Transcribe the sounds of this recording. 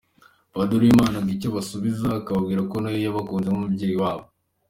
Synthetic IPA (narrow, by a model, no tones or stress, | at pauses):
βaduɾimaːnaŋɡicoβasuβizakaβabɡiːɾakonajojaβakuːnzemumubɟe̞ːjiwaːβo